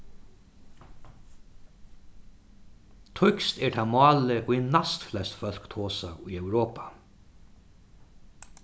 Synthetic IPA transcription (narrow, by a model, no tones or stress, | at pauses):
t̪ʰʊkst̪ɛɹt̪ʰaːmɑːləʔɔɛnast̪flɛst̪fœl̥kt̪ʰoːsaujœwɾoːpḁ